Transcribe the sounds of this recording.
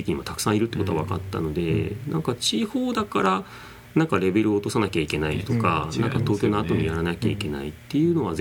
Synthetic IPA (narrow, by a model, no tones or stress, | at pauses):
ekiɲ̟imat̪ḁkɯ̥sãɰ̃iɾɯt̪ːeko̞t̪oa̰βakat̪ːa̰no̞d̪e̞nʔã̰ŋkat͡ɕiho̞ːd̪akaɾa | nãŋkaɾe̞be̞ɾɯ̟oːt̪o̞sanakʲaikʲe̞nait̪o̞kanãŋkat̪o̞ːkʲo̞noat̪o̞ɲ̟iɾaɾanakʲaikʲe̞nait̪ːe̞jɯ̟ːno̞β̞az